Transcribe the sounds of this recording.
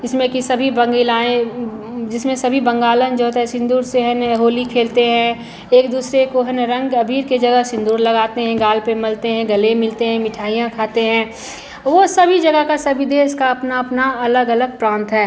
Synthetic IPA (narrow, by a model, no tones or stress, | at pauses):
ɪsmẽkisɐbʱibɐ̃ŋɡelaːẽ | d͡ʒɪsmẽsɐbʱibɐ̃ŋɡaːlənd͡ʒoːt̪ɦɛ̃sɪ̃nd̪uːɾseɦənɦoːlikʰeːlt̪eɦɛ̃ | eːkd̪uːsɾekoɦənɾɐ̃ŋɡɐbʱiːɾkid͡ʒɐɡəɦsɪ̃nd̪uːɾlɐɡaːt̪eɦɛ̃ɡaːlpemɪlt̪eɦɛ̃ɡɐlẽmɪlt̪eɦɛ̃mɪʈʰaːijãkʰaːt̪eɦɛ̃ː | ʋosɐbʱid͡ʒɐɡəkasɐbʱid̪eːskaɐpnaɐpnaɐləɡɐləɡ̚pɾãːnt̪ɦɛː